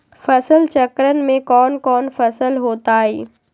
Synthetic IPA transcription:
fɐsəlt͡ʃɐkɾən̆mẽkɔːnkɔːnfɐsəlɦoːt̪aːɦeː

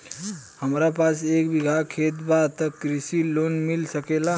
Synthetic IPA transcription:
həmɾapasekbiɡʱakʰet̪bat̪əkɾisilonmilsəkela

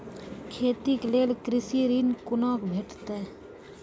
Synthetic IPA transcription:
kʰeːt̪ikleːlkɾɪsiɾinkʊnaːkbʱeːʈt̪e

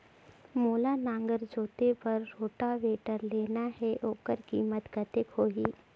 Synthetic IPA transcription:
moːlanãːŋɡəɾd͡ʒoːt̪epɐɾːoːʈaʋeːʈəɾleːnahɛʔoːkəɾkiːmət̪ɡət̪ɪkhoːɦiː

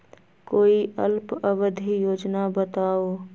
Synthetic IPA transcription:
koːiʔəlpəʋəd̪ʱijoːd͡ʒnabət̪aːo

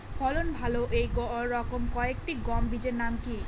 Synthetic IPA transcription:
pʰɔlonbʱaloʔejɡɔːɔkomkɔekʈiɡɔmbid͡ʒeɾnamki

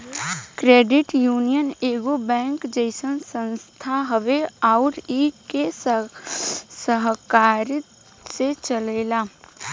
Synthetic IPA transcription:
kɾeːɖɪʈjuːnijəneːɡobɛ̃ːŋkd͡ʒəɪsənsə̃nst̪ʰaɦəʋeaʊɾike | səɦkaːɾ | set͡ʃəleːlaː

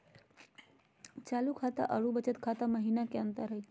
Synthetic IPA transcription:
t͡ʃaːlukʰat̪a̰ʔəɽubət͡ʃət̪kʰat̪aməɦinakeənt̪əɾɦəj

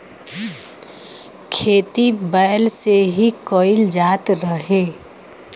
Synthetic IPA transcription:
kʰeːt̪ibəːlseɦikoːɪld͡ʒaːt̪ɾəɦeː

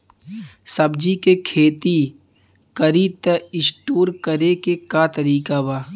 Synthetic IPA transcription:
sɐbd͡ʒikekʰeːt̪i | kəɾit̪eɪsʈoːɾkəɾekekat̪əɾiːkabaː

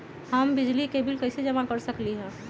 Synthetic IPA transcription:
həmbɪd͡ʒlikebɪlkəɪsed͡ʒəmakəɾsəkliɦɛ̃ː

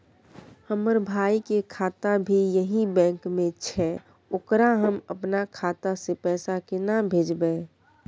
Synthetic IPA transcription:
həməɾbʱaːikekʰaːt̪abʱijəɦĩbɛ̃ːŋkmẽt͡ʃʰɛ | oːkɾaɦəməpnakʰaːt̪asepɛːsakɪnabʱeːd͡ʒbɛ

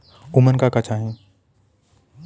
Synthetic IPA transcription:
ʊmənkakɐt͡ʃʰaːɦẽː

